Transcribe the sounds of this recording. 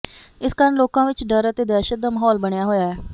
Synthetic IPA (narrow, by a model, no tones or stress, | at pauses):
ɪskaːɾəɳloːkãːʋɪt͡ʃɖəɾət̪eːd̪ɛːʃət̪̚d̪aːməɦɔːlbəɳjaːɦoːjaːɛː